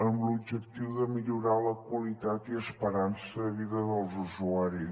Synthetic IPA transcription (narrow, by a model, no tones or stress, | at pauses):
əmblubd͡ʒək̚t̪iwðəmiʎuɾaləkwəlit̪at̪iəspəɾansəβiðəðəlˠzuzuaɾi